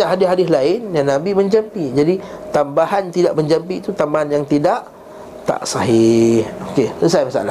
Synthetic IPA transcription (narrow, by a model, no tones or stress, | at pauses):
aʔɦadɪɦadɪslaɪnjanːãbimə̃ɲd͡ʒampiʔd͡ʒadit̪ambaɦant̪idaʔməɲd͡ʒampit̪ut̪ambaɦanjaŋt̪idaʔ | t̪a̰ʔsaɦɪhokeəsaimasa̰ʔa̰la